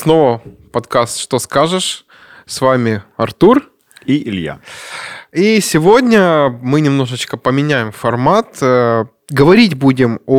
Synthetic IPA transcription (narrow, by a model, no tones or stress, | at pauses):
sno̞vəpɐt̪kast̪ʂt̪oskaʐɨʂ | svamʲɪɐrt̪ur | iɪlʲja̰ | isʲɪvo̞dʲnʲəmɨnʲɪmno̞ʐɨt͡ɕkəpəmʲɪnʲæjɪmfɐrmat̪ | ɡəvɐɾʲitʲbudʲɪmo